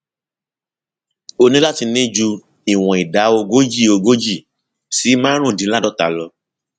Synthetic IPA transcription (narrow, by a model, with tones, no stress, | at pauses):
o˧nĩ˦la˦ti˧nĩ˦d͡ʒu˧ | i˨w̃ɔ̃˨i˨da˨˦o˧ɡo˦d͡ʒi˦˨o˧ɡo˦d͡ʒi˦˨ | si˨˦mã˦ɾ̃ũ˦˨dĩ˨˦la˦dɔ˦ta˨lɔ˧